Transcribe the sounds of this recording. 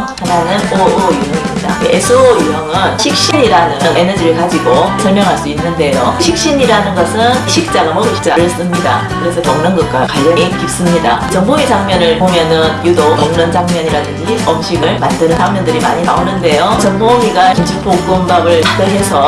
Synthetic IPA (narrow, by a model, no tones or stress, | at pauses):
hananɯnoojuɦʌŋimɲidaesʰɯojuɦʌŋɯnɕʰik̚ɕ͈iɲiɾanɯne̞nʌd͡ʑiɾɯɭkad͡ʑiɡosʰʌɭmjʌŋɦaɭs͈uinːɯnde̞joɕʰik̚ɕ͈iɲiɾanɯnɡʌsʰɯnɕʰik̚t͡ɕ͈aɡamʌɡɯɕʰi̥k̚t͡ɕ͈aɾɯɭs͈ɯmɲida̰kɯɾe̞sʰʌtʌŋnɯnɡʌt̚k͈akaɭɡʌɲikip̚s͈ɯmɲidat͡ɕʌnboit͡ɕaŋmʌnɯɭpomjʌnɯnjudotoŋnɯnd͡ʑaŋmjʌɲiɾadɯnd͡ʑiʌmɕ͈ʰiɡɯɭmandɯnɯnsʰaŋmjʌndɯɾimaɲinaonɯnde̞jot͡ɕʌnmomiɡakind͡ʑʰup͈oɡɯmbabɯɭpatɯɦe̞sʰʌ